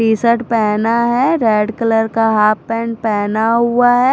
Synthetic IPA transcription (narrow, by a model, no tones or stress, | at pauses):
iːsəʈpɛːnaɦɛɾɛːɖkələɾkaɦaːppɛ̃ːɳɖpɛːnaɦʊaɦɛ